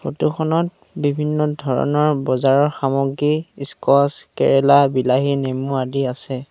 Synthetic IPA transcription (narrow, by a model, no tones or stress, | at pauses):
xo̰tukʰɔnɔt̚ | bibʱinːɔdʱɔɹɔ̰nɔɹbɔzaɹɔɹxamɔɡiskɔskɛ̰ɹɛlabilaɦinemuadiasɛ